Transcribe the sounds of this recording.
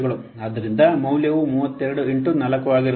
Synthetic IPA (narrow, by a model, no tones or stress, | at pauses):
ɣɐɭum | ɐðiɾind̪ɐmɐwljɐʋumuːʋɐt̪ːeɾɐɽuiɳʈunɐlɐkːuʋaːɡiɾ